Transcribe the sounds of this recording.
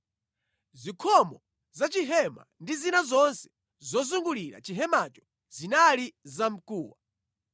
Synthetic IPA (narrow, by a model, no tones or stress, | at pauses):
zikʰɔmɔ | zat͡ʃiɦɛma̰ndizinazɔnsɛ̥ | zɔzuŋɡuliɾa̰t͡ʃiɦɛmat͡ʃɔ̥ | z̥inalizam̩kuːwa